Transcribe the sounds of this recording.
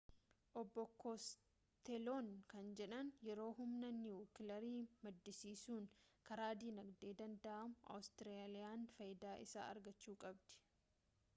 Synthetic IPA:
ʔɔbːɔkos | t̪ɛloːnkɐnd͡ʒɛᶑɐnjɛɾo̞ːɦʊmnɐnɪuːkɪlɐɾiːmɐd̪ːɪsiːsuːnkɐɾaːd̪iːnɐɡd̪e̞ːd̪ɐnd̪ɐʔɐmʊɐ̰wʊst̪ɪɾealɪjaːnfɐjd̪aːʔɪsa̰ːɐ̰ɾɡɐt͡ʃːuːkʼɐbd̪̥ɪ̥

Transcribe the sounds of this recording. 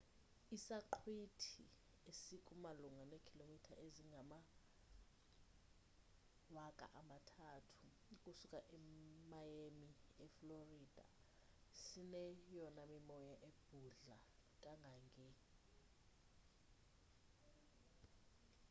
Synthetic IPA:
isaǃʰwitʰḭ | esikʼumaluŋanekʰilomitʰaʔeziŋɡʱama | wakʼa̰ʔamatʰaːtʰu̥ | kʼusukʼaʔɛmajemiɛfloriːd̥ʱa̰ | sinɛjɔnamimɔjaʔeb̥̚ʱuɮakʼaŋɡʱaŋʱɛ

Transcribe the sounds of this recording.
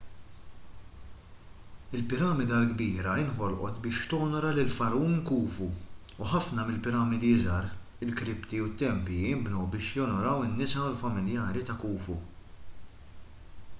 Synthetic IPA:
ɪlpɪɾɐːmɪd̪ɐlɡbiːɾɐɪnħɔlʔɔ̰t̪bɪːʃt̪ɔːnɔɾɐlɪlfɐɾuːnkuːfuː | ħɐfnɐmɪlpɪɾɐːmɪd̪izɐɾ | ɪlkɾɪpt̪iut̪ːɛmpiɪmbnɔwbɪːʃjɔnɔɾɐwɪnːɪsɐʊlfɐmɪljɐːɾit̪ɐkuːfṵ

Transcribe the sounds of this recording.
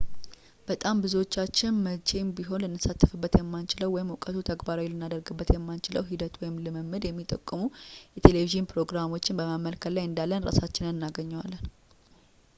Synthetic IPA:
b̥ət̪ʼambɨzuwo̞t͡ʃːat͡ʃːɪnmət͡ʃʼe̞nbiɦo̞nlɨnːɨsat̪ʰːəfɨbːət̪jɛmːant͡ʃɪləwːɔjɪmɔkʼət̪ʰut̪ʰəɡbaɾawlɨnːad̪əɾɡɨbːət̪jɛmːant͡ʃɪləwɦid̪ət̪wɔjɪmlɨmɨmːɨd̪jɛmːit̪ʼəkʼːɨmujɛt̪ʰe̞le̞viʒɨnpɾo̞ɡɾamo̞t͡ʃːɪnbəməmːəlkʰət̪lajɨnd̪alːənɾa̰sat͡ʃːɪnɨnnːaɡəɲːɛwalːən

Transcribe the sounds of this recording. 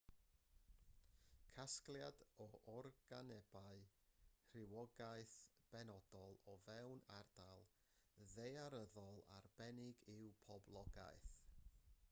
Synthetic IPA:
kʰasklˠjadɔʔɔrɡ̥anɛb̥aɨr̥ɪwɔɡaɨθ | b̥ɛnɔdɔlˠɔvɛwnard̥alˠ | ðejaɾəðɔlˠa̰rb̥ɛnɪɡɪwpʰɔblˠɔɡa̰ɨθ

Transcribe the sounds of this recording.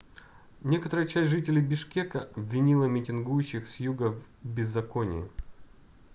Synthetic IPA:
nʲe̞kət̪əɾəjət͡ɕæsʲʐɨtʲɪlʲɪjbʲɪʂkʲekəʔɐbʲvʲɪnʲilˠəmʲɪtʲɪnɡujʉɕːɪxsʲjuɡəv | bʲɪzːɐkonʲɪ̰ɪ̰

